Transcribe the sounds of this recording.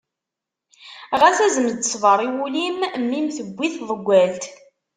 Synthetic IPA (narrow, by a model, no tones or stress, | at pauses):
ʁæθæzəmd̪əsˤvəɾˤiwulimmːimθəɡʷːiθðˤəɡʷːælt̪